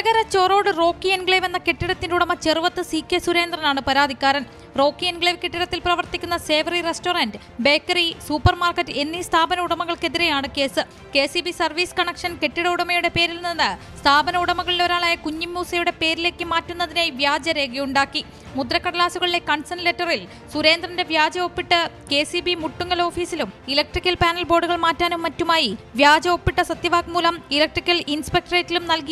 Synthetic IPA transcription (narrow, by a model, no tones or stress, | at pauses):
ɐɣɐɾɐt͡ɕoːro̞ːɽɨro̞ːkːienɡɭeːʋenːɐke̞ʈːiɽɐt̪ːinduɽɐmɐt͡ɕe̞ruʋɐt̪ːɨsiːkʲːesuɾe̞ːnd̪rɐnaːɳɨpɐɾaːd̪ʱikʲːaːɾɐn | ro̞ːkːienɡɭeːʋkeʈːiɽɐt̪ːilprɐʋɐrt̪ikʲːunːɐse̞ːʋrirestoːrɐndɨ | be̞ːkːɐrisuːpːɐrmaːrkɐtːɨe̞nːist̪ʰaːbɐnɐuɽɐmɐɣɐɭke̞ðiɾe̞jaːɳɨke̞ːsɨ | ke̞ːsibisɐrʋiːskɐɳekʂɐnke̞ʈːiɽɐuɽɐmɐjuɽe̞pe̞ːɾilninːɨ | st̪ʰaːbɐnɐuɽɐmɐɣɐɭileʋɐɾaːɭaːjɐkuɲːimːuːsɐjuɽe̞pe̞ːɾile̞ːkːɨmaːtːunːɐðineʋjaːd͡ʑɐɾe̞ːɡijuɳɖaːkːi | mud̪rɐkːɐɽɐlaːsuɣɐɭile̞kɐɳsɐnletːɐril | suɾe̞ːnd̪rɐnde̞ʋjaːd͡ʑɐo̞pːiʈːɨke̞ːsibimuʈːuŋːɐlo̞ːfiːsilumilɐk̚ʈrikʲːɐlpaːnɐlbo̞ːɖuɣɐɭmaːtːaːnumːɐtːumaːjiʋjaːd͡ʑɐopːiʈːɐsɐt̪jɐʋaːkmuːlɐmilɐk̚ʈrikʲːɐlinspek̚ʈɐreːtːilumnɐlki